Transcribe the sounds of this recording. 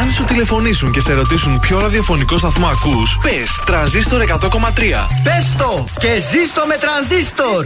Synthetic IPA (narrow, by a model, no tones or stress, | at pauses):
ɐnsut̪ile̞fo̞nisuɲce̞seɾo̞t̪isunpço̞ɾɐðiofo̞niko̞st̪ɐθmoɐkuspest̪ɾɐnzist̪o̞ɾe̞kɐt̪o̞ko̞mɐt̪ɾiɐ̰pest̪o | cezist̪omet̪ɾɐnzist̪oɾ